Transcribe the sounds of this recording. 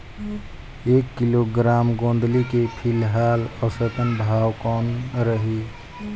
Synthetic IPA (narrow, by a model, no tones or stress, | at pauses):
ekːiloɡɾamɡõnd̪likepʰilɦaləsət̪ənbʱawkɔnɾəɦi